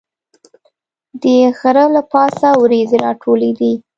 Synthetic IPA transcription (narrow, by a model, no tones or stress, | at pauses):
d̪əxaɾəlapɑsawɾezeɾɑʈʰoled̪i